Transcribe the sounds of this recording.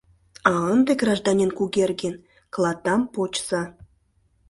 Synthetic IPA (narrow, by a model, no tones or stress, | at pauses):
ɑənd̪eɡrɑʒd̪ɑnʲenkuɣerɡen | klˠɑt̪ɑmpot͡ɕsɑ